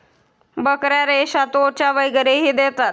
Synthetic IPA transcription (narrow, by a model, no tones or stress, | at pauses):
bəkɾjaɾeɕat̪ot͡ɕaʋəjɡəɾeɦiːd̪et̪at̪̚